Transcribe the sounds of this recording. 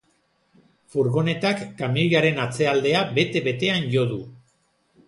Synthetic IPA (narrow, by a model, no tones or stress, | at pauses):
fuɾɣo̞ne̞t̪akːamiliaɾe̞nat͡se̞ald̪e̞abe̞t̪e̞βe̞t̪e̞anʝo̞ðu